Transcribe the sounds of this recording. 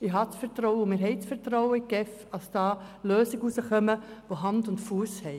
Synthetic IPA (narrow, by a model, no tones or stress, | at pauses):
ɪɦɑt͡sfɛɾtɾɔʊəʊmɪːɾɦɛɪt͡sfɛɾtɾɔʊəɪkɛfɑsd̥ɑːløːsɪɡəusəχœməʋoɦɑndʊntfuəshɛɪ